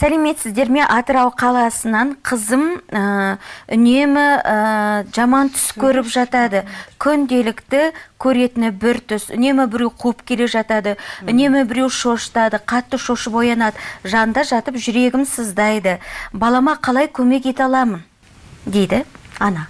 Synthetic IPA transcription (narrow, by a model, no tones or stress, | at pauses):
sæleme̞t̪sɪzd̪e̞ɾme̞ʔɑt̪əɾɑwqʰɑlˠɑsənɑɴqʰəzəməʏne̞mɪəʒɑmɑnt̪ʰʏ̥skʲʰɵɾɪpʒɑt̪ɑd̪əkʲʰʏnd̪e̞lɪkt̪ɪkʲʰɵɾe̞t̪ɪnɪbɪɾt̪ʰʏsʏ̰ne̞mɪbɪɾewqʰuəpkʲʰe̞le̞ʒɑt̪ɑd̪əʏne̞mɪbɪɾe̞wʃo̞ʃt̪ɑd̪əqʰɑt̪ːəʃoʃəbo̞jɑnɑd̪əʒɑnd̪ɑʒɑt̪əpʒʏɾe̞ɡʲɪmsəzd̪ɑjd̪əbɑlˠɑmɑqʰɑlˠɑjkʲʰɵme̞ke̞t̪ɑlˠɑmən | d̪e̞jd̪ɪɑnɑ